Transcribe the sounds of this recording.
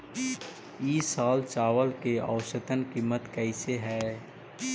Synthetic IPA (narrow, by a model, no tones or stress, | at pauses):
iːsaːlt͡ʃaːʋəlkea̰ʊʃət̪ənkiːmːət̪kɛɪseɦɛː